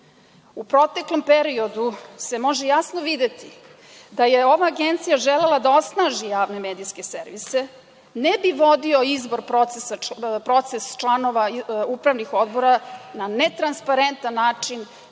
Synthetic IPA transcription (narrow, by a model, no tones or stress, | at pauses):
upɾo̞t̪e̞klo̞mpeɾio̞d̪use̞mo̞ʒejasnoʋid̪e̞t̪i | d̪ajeo̞ʋaːɡe̞nt̪sijaʒele̞lˠad̪ao̞snaʒijaːʋne̞med̪iske̞seɾʋise | nebiʋo̞d̪io̞izbo̞ɾpɾosesapɾo̞t̪sest͡ʃlˠano̞ʋaupɾaʋnixo̞d̪bo̞ɾananet̪ɾanspaɾe̞nt̪anːaːt͡ʂin